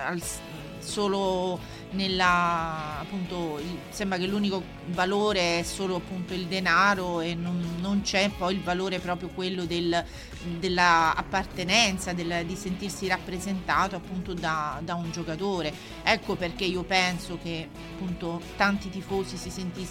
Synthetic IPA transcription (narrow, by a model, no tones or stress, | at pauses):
al | soːlo | nelːaː | pːunt̪oisɛmbɾakelːuːniko | valoːɾeɛsːoːloapːunt̪oild̪enaːɾoenːonːont͡ʃɛpːɔjilvaloːɾepɾɔːpɾjokwelːod̪el | d̪elːaa̰pːart̪enɛnt̪sad̪elːd̪isent̪irsiɾapːɾezent̪aːt̪oapːunt̪od̪ad̪aund͡ʒokat̪oːɾe | ɛkːoperk̟eiːopɛnsok̟e | apːunt̪ot̪ant̪it̪ifoːzisisent̪i